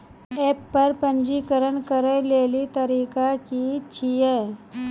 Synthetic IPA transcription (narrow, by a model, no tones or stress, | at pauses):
ɛːpːɐɾpə̃nd͡ʒikəɾənkəɾəleːlit̪ɐɾiːkakit͡ʃʰiɛ